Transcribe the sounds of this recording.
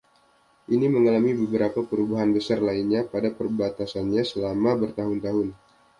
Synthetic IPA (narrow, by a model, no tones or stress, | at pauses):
ʔiniməŋalamibəbəɾapapəɾubaɦanbəsarlainɲapadapərbat̪asanɲasəlamabərt̪aɦʊnt̪aɦʊn